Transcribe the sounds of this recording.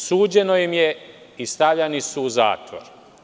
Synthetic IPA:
suːd͡ʑe̞no̞jimje | ist̪avʎanisuːza̰ːt̪ʋo̰ɾ

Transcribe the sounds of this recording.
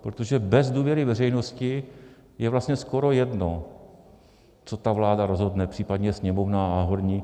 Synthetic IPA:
pɾot̪o̞ʒɛbɛzduːvjɛɾɪvɛrɛjno̞scɪ | jɛvlast̪ɲɛsko̞ɾo̞jɛdno̞ | t͡so̞t̪avlaːdaɾozɦo̞dnɛpr̝̥iːpadɲɛsɲɛmo̞vnaːnaɦodɲiː

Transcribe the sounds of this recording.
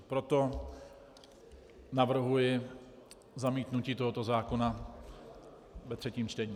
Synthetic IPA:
pɾo̞t̪o̞ | navr̩ɦujɪ | zamiːt̪nuciːt̪oɦo̞t̪o̞zaːko̞na | vɛt̪r̥ɛciːmt͡ʃt̪ɛɲiː

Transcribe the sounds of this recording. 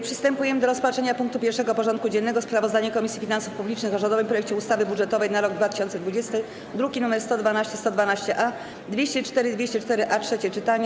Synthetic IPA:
pʂɘ̥st̪ɛmpujɛmɘd̪ɔɾɔspatʂɛɲapuŋk̚t̪upʲjɛɾʂɛɡɔpɔʐɔnt̪̚kud͡ʑɛnːɛɡɔspɾavɔzd̪aɲɛkɔmʲisʲifʲinansufpublʲit͡ʂnɘxɔʐɔnd̪ɔvɘmpɾɔjɛk̚t͡ɕɛust̪avɘbuʐɛt̪ɔvɛjnaɾɔɡ̚d̪vat̪ɘ̥ɕɔnt̪sɛd̪vud͡ʑɛst̪ɘ | d̪ɾuɡʲinumɛɾst̪ɔd̪vanaɕt͡ɕɛst̪ɔd̪vanaɕt͡ɕɛʔa | d̪vʲjeɕt͡ɕɛt͡ʂt̪ɛɾɘd̪vʲeɕt͡ɕɛt͡ʂt̪ɛɾɘʔatʂɛt͡ɕɛt͡ʂɘt̪aɲɛ

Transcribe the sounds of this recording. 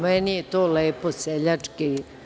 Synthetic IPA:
mɛnijet̪oːleːposeʎat͡ʂki

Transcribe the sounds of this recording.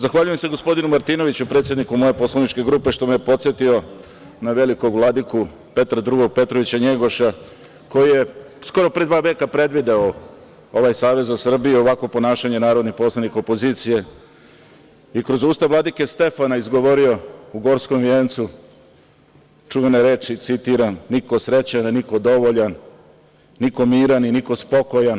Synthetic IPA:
zaxʋaʎuje̞mse̞ɡo̞spo̞d̪inumaɾt̪ino̞ʋit͡ɕupɾet̪sjed̪nikumo̞je̞po̞slˠanit͡ʃke̞ɡɾuːpe̞ʃt̪o̞mejepo̞t̪sjet̪io̞ | naʋe̞liko̞ɡʋlˠad̪iku | pe̞t̪ɾad̪ɾuɡo̞ɡ̚pe̞t̪ɾoʋit͡ɕaɲe̞ɡo̞ʃa | ko̞jije̞ | sko̞ɾo̞pɾe̞d̪ʋaːʋe̞ːkapɾe̞d̪ʋid̪ao | o̞ʋajsaːʋe̞zasr̩biːo̞ʋakʋo̞po̞naːʃaɲe̞naːɾo̞d̪nixpo̞slˠaniko̞po̞ziːt̪sije̞ | ikɾo̞zuːst̪aʋlad̪ikest̪e̞fanaizɡo̞ʋoɾio̞uɡo̞ɾsko̞mʋʲjeːnt̪su | t͡ʃuʋeneɾe̞ːt͡ʃit̪sit̪iɾanːiko̞sɾe̞t͡ɕananiko̞d̪o̞ʋoʎanː | iko̞miːɾaniniko̞spo̞ko̞jan

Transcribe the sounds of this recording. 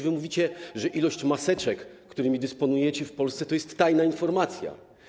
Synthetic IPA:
vɘmuvʲit͡ɕɛʐɛʔilɔɕt͡ɕmasɛt͡ʂɛkː | t̪uɾɘmʲid̪ɘspɔnujɛt͡ɕɛfpɔlst̪sɛt̪ɔjɛst̪ːajnainfɔɾmat̪sʲja̰

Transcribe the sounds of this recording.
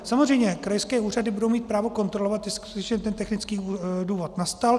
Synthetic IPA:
samozr̝ɛjɲɛkɾajskɛːuːradɪbudo̞wmiːt̪̚pɾaːvo̞ko̞nt̪ɾo̞lovat̪jɛsku̥ut̪ɛt͡ʃɲɛt̪ɛnt̪ɛxnɪt͡skiːduːvo̞t̪nast̪al

